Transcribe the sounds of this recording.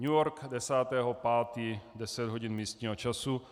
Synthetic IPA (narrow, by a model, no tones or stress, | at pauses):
ɲujɔɾkd̪ɛsaːt̪ɛɦɔpaːt̪iːd̪ɛsɛd̪ɦɔɟinmiːst̪ɲiːɦɔt͡ʃasu